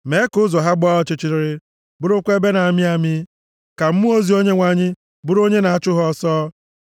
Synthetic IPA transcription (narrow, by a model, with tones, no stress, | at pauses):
me˨˦kʊ˦zɔ˨ɦa˦ɡ͡bɔ˦ɔ˨t͡ʃɪ˦t͡ʃɪ˨ɾɪ˨ɾɪ˦ | bʊ˦ɾʊ˦kʷe˦be˦na˨a˨mɪ˦a˨mɪ˦ | ka˨m̩˦mu˦o˦zi˨˦o˦ɲe˦ŋʷa˨ɲɪ˦ | bʊ˦ɾo˦ɲe˦na˨a˨t͡ʃʊ˦ɦɔ˦sɔː˦